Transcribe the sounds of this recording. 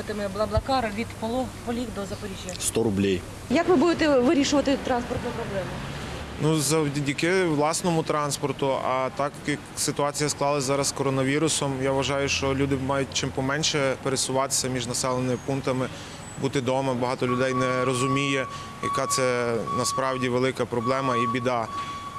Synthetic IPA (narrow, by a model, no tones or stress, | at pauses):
t̪ɪmɪblˠɐblˠɐkɑɾɐʋʲid̪pɔlˠɔpɔlʲikd̪ɔzɐpɔɾʲiʒʲjɐst̪ɔɾʊblʲij | jɐkʋɪbud̪ɪt̪ɛʋɪɾʲiʃʊʋɐt̪ɪt̪ɾɑnspɔrt̪nʊpɾɔblˠɛmʊnuzɐwdʲidʲikɪʋlˠɑsnɔmʊt̪ɾɑnspɔrt̪ʊɐ̰t̪ɑkjɐksɪt̪ʊɑt͡sʲijɐsklˠɑlˠɐsʲzɑɾɐskɔɾɔnɐʋʲiɾʊsɔmjaʋɐʒɑjʊʃt͡ʃɔlʲud̪ɪmɑjʊt̚ʲt͡ʃɪmpɔmɛnʲʃɛpeɾesʊʋɑt̪ɪ̥sʲɐmʲiʒnɐsɛlˠenɪmɪpunt̪ɐmɪ | but̪ɪd̪ɔmɐbɐɦɑt̪ɔlʲʊd̪ɛjnɛɾɔzʊmʲijɛ | jɐ̰kɑt̪sɛnɐspɾɑwdʲiʋelˠɪkɐpɾɔblˠɛmɐibʲid̪ɑ